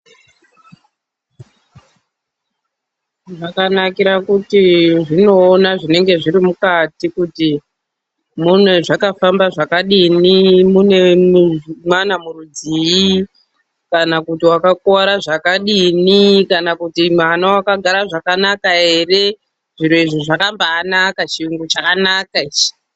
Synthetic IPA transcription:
ʐakanakiɾakutiʐino̞ːnaʐine̞ŋɡe̞ʐiɾimukatikuti | mune̞ʐakafambaʐakaɗinimune̞ | mwanamuɾud͡ziji | kanakutiwakakaɾaʐakaɗinikanakutimanawakaɡʱaɾaʐakanakaɦe̞re̞ | ʐiɾuiʐiʐakambaːnakat͡ʃiuŋɡut͡ʃakanakaid͡ʒi̥

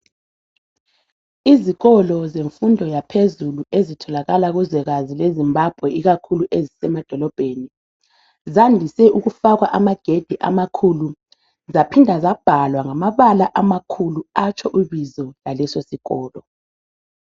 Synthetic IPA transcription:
iziɣɔlɔzeɱfundʱɔjapʰezuluezitʰɔlaɣalaɣuzɛɣazilezimbab̥ʱwɛiɣakʰuluʔezisɛmad̥ʱɔlɔb̥ʱeni | zandʱisɛuɣufaɣwaʔamaɡ̥ʱed̥ʱɛʔa̰makʰulu | zapʰindʱazab̥ʱalwaŋamaβalaʔamakʰuluat͡ʃʰʼɔʔuβizɔlalɛsosiɣɔːlɔ

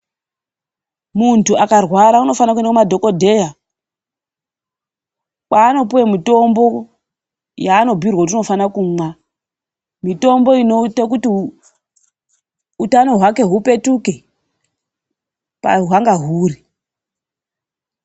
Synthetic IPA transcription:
muntuakarwaɾauno̞fanakuendakumadʱo̞ko̞dʱe̞ja | kwaːno̞puwemito̞mbo̞ | jaːno̞bʱirwat̬ino̞fanakumwa | mito̞mbo̞ino̞tak̬uti | utano̞ɦwake̞ɦupe̞tuke | pa̰ɦwaŋɡaɦuːri

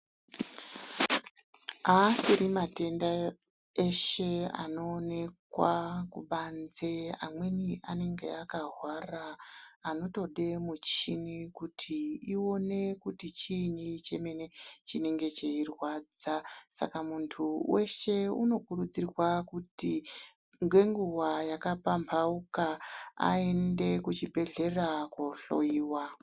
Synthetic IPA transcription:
asiɾimate̞nda | e̞ʃe̞a̰no̞ːne̞kwakuɓand͡zeamwe̞niane̞ŋɡe̞̰akaɦwaraːno̞to̞ɗe̞mut͡ʃinikutʰiio̞ne̞kutit͡ʃinit͡ʃe̞me̞ne̞t͡ʃine̞ŋɡe̞t͡ʃe̞irwad͡zasa̰kamuntʰuwe̞ʃe̞uno̞kuɾud͡zirwakuti | ŋɡwe̞ŋɡuwajakapampʰaukaa̰e̞nde̞kut͡ʃibʱe̞ɮe̞rakoɬo̞iːwa

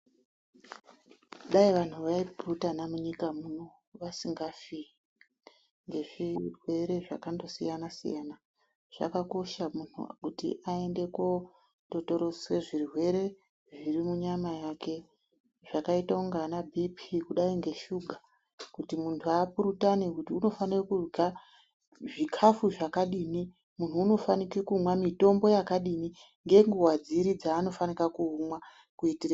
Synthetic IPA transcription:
uɗaiʋan̤uʋaipurutanamuɲikamuno̞ | ʋasiŋɡafii | ŋɡe̞ʐirwe̞ɾe̞ʐa̰kando̞sḭjanasḭjana | ʐ̥a̰kako̞ʃamun̤ṵkutḭʔae̞nde̞ko̞ | to̞to̞ɾo̞swe̞ʐirwe̞ɾe̞ | ʐirimuɲamajake̞ | ʐakaitauŋɡanabʱipʰikuɗaiŋɡe̞ʃuɡʱa | kutimuntʰuapuɾutanekutiuno̞fanirakurɡa | ʐikʰafuʐakaɗini | mun̤uːno̞fanikekumwamito̞mbo̞jakaɗini | ŋɡe̞ŋɡuwad͡ziɾid͡zaːno̞fanikakumwa | kuitire

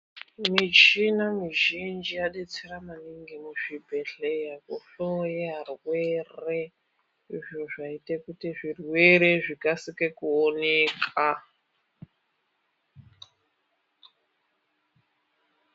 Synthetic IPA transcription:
mit͡ʃinamiʒind͡ʒijaɗet͡seramaniŋɡemuʐibʱe̞ɮejakuɬojeɦarwere | iʐo̞ʐaitekutiʐirwe̞ɾe̞ʐikasikekuoneːkʰa

